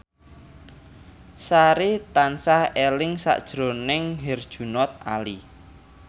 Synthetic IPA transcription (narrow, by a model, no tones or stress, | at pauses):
saɾit̪ansahelɪŋsa̰ʔd̥ʒ̥ɾo̤nɪŋɦɛrd̥ʒ̥ṳnɔt̪̚a̰li